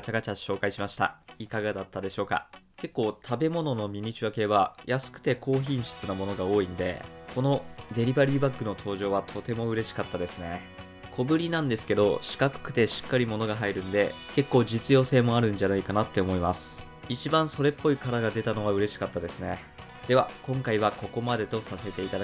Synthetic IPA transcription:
t͡ɕaɡat͡ɕaɕo̞ːkaiɕimaɕi̥t̪a̰ikaɡad̪at̪ːad̪e̞ɕo̞ːka̰ke̞kːo̞ːt̪ʰabe̞mo̞no̞no̞mʲiɲ̟it͡ɕiβake̞ːβajasɨ̥kɯ̟̥t̪e̞ko̞ːçĩɰ̃ɕɨ̥t͡sɨnamo̞no̞ɡao̞ːĩnd̪e̞̰ | ko̞no̞d̪e̞ɾʲibaɾʲiːbakːɯ̟no̞t̪ʰo̞ːʑo̞ːβ̞at̪ʰo̞t̪e̞mo̞ɯ̟ɾe̞ɕi̥kat̪ːad̪e̞sɨne̞ | kʰo̞bɯ̟ɾʲinãnd̪e̞sɨ̥ke̞d̪o̞ɕi̥kakɯ̟̥kɯ̟̥t̪e̞ɕi̥kːaɾʲimo̞no̞ɡaɦaiɾɯ̟̃nd̪e̞ | ke̞kːo̞ːd͡ʑit͡sɨjo̞ːse̞ːmo̞aɾɯ̟̃ɲ̟d͡ʑanaikanat̪ːe̞omo̞imasɨ̥ | it͡ɕibãɰ̃so̞ɾe̞pːo̞ikaɾaɡad̪e̞t̪ano̞βaɯ̟ɾe̞ɕi̥kat̪ːad̪e̞sɨne̞ | d̪̥e̞βakõ̞ŋkaiβ̞ako̞ko̞mad̪e̞t̪o̞sase̞t̪e̞it̪ad̪a

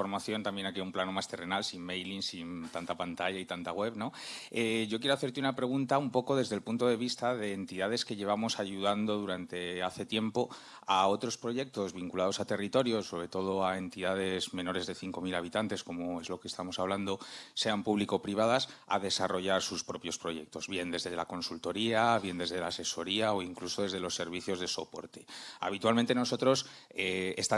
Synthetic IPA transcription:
oɾmaθjo̞nt̪ambje̞nakiumplano̞mast̪e̞re̞nalsimmejlinsint̪ant̪apant̪aʝait̪ant̪aɣwe̞βno̞eʝo̞k̬jeɾoaθe̞ɾt̪eunapɾe̞ɣ̞unt̪aumpo̞ko̞ðe̞zðe̞lpunt̪o̞ðe̞βist̪aðe̞ːnt̪iðaðe̞ske̞ʝe̞β̞amo̞saʝuðand̪o̞ðuɾant̪e̞aθe̞t̪je̞mpo̞ | ao̞t̪ɾo̞spɾo̞ʝe̞k̚t̪o̞zβiŋkulað̞o̞sat̪e̞rit̪o̞ɾjo̞so̞βɾe̞t̪o̞ð̞o̞ae̞nt̪iðað̞e̞zmẽ̞no̞ɾe̞zðe̞θiŋko̞milaβ̞it̪ant̪e̞sko̞mo̞e̞zlo̞kest̪amo̞saβland̪o̞se̞ampuβliko̞pɾiβ̞aðasa̰ðe̞saro̞ʝaɾsuspɾo̞pjo̞spɾo̞ʝe̞̰k̚t̪o̞zβje̞nd̪e̞zðe̞la̰ko̞nsult̪o̞ɾiaβje̞nd̪e̞zðe̞lase̞so̞ɾiao̞iŋkluso̞ðe̞zð̞e̞lo̞sːe̞ɾβ̞iθjo̞zðe̞so̞po̞̰ɾt̪ea̰β̞it̪walment̪e̞noso̞t̪ɾo̞seest̪a

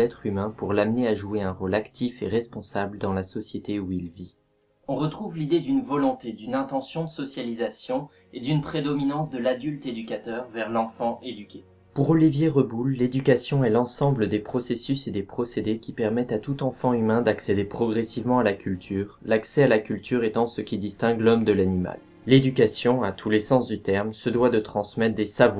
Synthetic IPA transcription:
ɛt̪χymɛ̃puʁlamneaʒueɛ̃ʁolakt̪ʰifeʁɛspɔ̃sabləd̪ɑ̃lasɔsjet̪euilvi | ɔ̃ʁət̪χuvlid̪ed̪ynvɔlɔ̃t̪ed̪ynɛ̃t̪ɑ̃sjɔ̃d̪əsɔsjalizasjɔ̃ | ed̪ynpχed̪ɔminɑ̃s̬d̪əlad̪ylt̪ed̪ykat̪œʁvɛʁlɑ̃fɑ̃ʔed̪ykʲe | puʁɔlivjeʁəbulːed̪ykasjɔ̃ɛlɑ̃sɑ̃bləd̪epχɔsesysed̪epχɔsed̪ekʲipɛʁmɛt̪at̪ut̪ɑ̃fɑ̃ymɛ̃d̪aksed̪epχɔɡʁesivmɑ̃alakʲʰylt̪ʰyːʁlaksɛalakʲylt̪yʁɛt̪ɑ̃səkʲid̪ist̪ɛ̃ɡlɔmd̪əlanima̰l | led̪ykasjɔ̃at̪ʰulesɑ̃sd̪yt̪ɛʁmsəd̪wad̪ət̪χɑ̃smɛt̪d̪esav

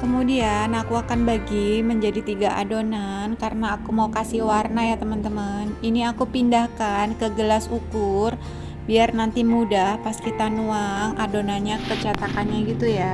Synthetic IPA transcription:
kəmudianakuakanbaɡiməɲd͡ʒadit̪iɡaʔa̰donankaɾənaːkumaukasiwarnajat̪əmant̪əmaəniniakupindahkankəɡəlasukʊr | biarnant̪imudahpast̪it̪anuaŋadonanɲakət͡ʃat̪akanɲaɡit̪uja

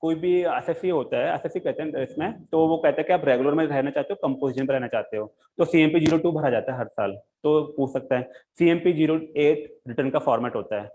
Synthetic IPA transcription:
koːibʱiɛsɛsiɦoːt̪aɦɛɛ̰sɛsikɛɦt̪eɦɛ̃nɪsmẽt̪oʋokɛɦt̪ẽɦɛ̃kiaːpɾeːɡʊləɾmẽɾɛɦnat͡ʃaːɦt̪eɦokɐ̃mpoːzɪʃənpẽɾɛɦnat͡ʃaːɦt̪eɦoː | t̪osiːɛ̃mpid͡ʒiːɾoʈubʱɐɾad͡ʒaːt̪aɦɛɦɐɾsa̰ːlt̪opuːt͡ʃʰsɐk̚t̪aɦɛːsiːẽːmpid͡ʒiːɾoeːʈɾɪʈəɾnkafɔːɾmɛːʈɦoːt̪aɦɛː

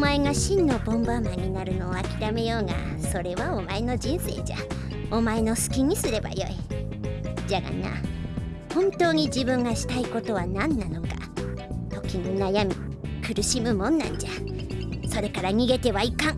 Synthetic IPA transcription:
mae̞ŋaɕĩnːo̞bõ̞mbamaɲ̟ːinaɾɯ̟no̞ːakʲiɾame̞jo̞ːŋa̰ | so̞ɾe̞βaomae̞no̞d͡ʑĩɰ̃se̞̰ːd͡ʑa̰ | o̞mae̞no̞sɨ̥kʲiɲ̟isɨɾe̞ba̰jo̞̰i | d͡ʑaɡa̰na̰ | hõ̞nt̪o̞ːɲ̟id͡ʑibɯ̟̃ŋɡaɕi̥t̪aiko̞t̪o̞βanãnːano̞ka̰ | t̪o̞kʲiɲ̟inajamʲikɯ̟ɾɯ̟ɕimɯ̟mõ̞nːã̰ɲd͡ʑa | so̞ɾe̞kaɾaɲ̟iɡe̞t̪e̞βaikãŋ

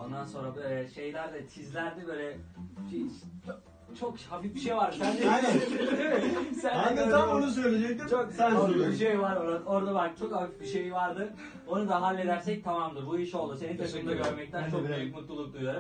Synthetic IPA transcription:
o̞̰nd̪anso̞nɾabølʲɛʃe̞jlʲæɾd̪ɛt͡ʃʰizlʲæɾd̪ibøjlʲɛʃi | t͡ʃʰokhafifbiʃejvaɾd̪ɯsænid̪imɪsænand̪anonus̬øjlʲied͡ʒɛc̚t̪it͡ʃʰoksænobiʃejvaɾoɾaoɾd̪abalki̥t͡ʃʰo̞khafifbiʃe̞jvaɾd̪ɯ | o̞nud̪aɦalʲːe̞d̪æɾsɛc̚t̪ʰamamd̪ɯɾbuiʃo̞lˠd̪use̞nint̪ʰesɯmɯnd̪aɡøɾmɛc̚t̪ʰænt͡ʃʰok̚byjykmut̪lˠulˠuk̚d̪ujaɾu

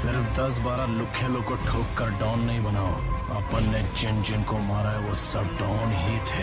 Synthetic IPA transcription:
sɪɾfd̪ɐs̬baːɾalʊkʰːjẽlõkoʈʰoːkːɐɖaːʊnːɐɦĩbɐnaːo̰ | ɐpənːed͡ʒɪnd͡ʒɪnkomaːɾaɛʋosɐbɖaːnɦit̪ʰɛː

